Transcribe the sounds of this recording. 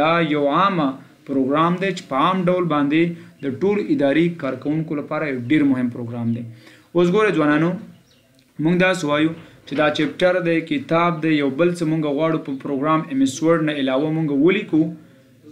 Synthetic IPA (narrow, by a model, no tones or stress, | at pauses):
ajawama | pɾoɡɾɑmd̪et͡ʃe̥pəamɖawlbɑnd̪ed̪əʈoloʔɪd̪ɑɾikɑɾkawuŋkolapɑɾajawɖeɾmʊɦɪmpɾoɡɾamd̪e | os̬ɡoɾezwɑnɑno | muŋɡd̪ɑswajut͡ʃed̪ɑt͡ʃep̚ʈaɾd̪ejkɪt̪ɑb̚d̪ejawbəlt͡səmuŋɡaɣwɑɽupəpɾoɡɾamemɪswəɾɖnaɪlawamuŋɡawəliku